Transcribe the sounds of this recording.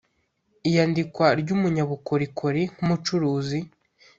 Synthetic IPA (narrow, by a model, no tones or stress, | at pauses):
ijandikwaɾɟumuɲaβukoɾikʰoɾiŋ̥umut͡ʃuɾuːzi